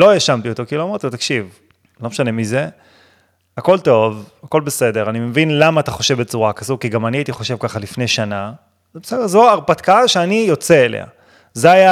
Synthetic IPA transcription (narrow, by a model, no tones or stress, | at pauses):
lo̞jaʃamt̪iot̪o̞kiloamaʁt̪ibet̪akʃiv | lo̞meʃane̞mize | ako̞lto̞vako̞lbe̞se̞de̞ʁanimevinlamaːtaχo̞ʃe̞vbet͡suʁakazukiɡamaniait̪iχo̞ʃevkaχalifne̞jʃana | besedeʁzoaʁpat̪kaaʃeanijo̞t͡seːlʔḛa̰ | zeaja